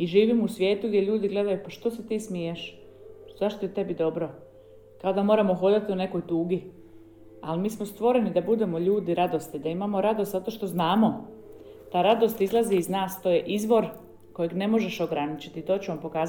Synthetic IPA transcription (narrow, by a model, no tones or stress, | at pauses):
iʒiːʋimusʋje̞ːt̪uɡd̪je̞ʎuːd̪iɡle̞d̪ajupaʃt̪o̞set̪iːsmijeʃ | zaʃt̪ojet̪e̞bid̪o̞bɾo̞ | kao̞d̪amo̞ɾamoxod̪at̪iune̞ko̞jt̪uːɡi | a̰lmiːsmost̪ʋo̞ɾe̞nid̪abud̪e̞mo̞ʎuːd̪iɾad̪o̞st̪id̪aimamo̞ɾad̪o̞st̪zat̪o̞ʃt̪o̞znaːmo̞ | t̪aɾad̪o̞st̪izlˠaziːznaːst̪oje̞ʔizʋo̞ɾ | ko̞jeɡne̞mo̞ʒe̞ʃo̞ɡɾanit͡ɕi̥t̪it̪o̞ːt͡ɕuʋampo̞kaːza